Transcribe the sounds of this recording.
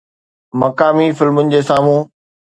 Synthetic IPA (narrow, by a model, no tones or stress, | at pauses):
mɐkaːmifɪlmʊnɪ̆d͡ʑeːsaːmũː